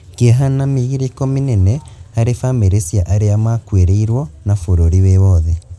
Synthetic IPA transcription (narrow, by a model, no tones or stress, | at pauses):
keɦanamiɣiɾikominɛnɛhaɾefameɾesjaʔaɾeamakweɾeiɾwɔnafoɾoɾiwewɔðɛ